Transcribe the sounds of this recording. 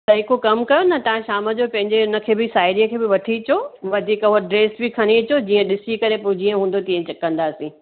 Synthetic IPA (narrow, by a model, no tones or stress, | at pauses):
sɐɪkokɐmkɐjonɐt̪ɐʋ̤ãʃaːməd͡ʑopɐ̃ɦɪ̃ɲd͡ʑeʊnə̆kʰeːbɪsaːɪɾijəkʰeːbɪʋɐt̪ʰit͡ɕoʋɐd̪ʱiːkoɖɾeːsbɪkʰɐɽ̃it͡ɕod͡ʑiːə̃ɗɪsikɐɾepʊd͡ʑiːə̃ɦũːn̆d̪ot̪ĩə̃t͡ɕɐkɐ̃nd̪aːsĩː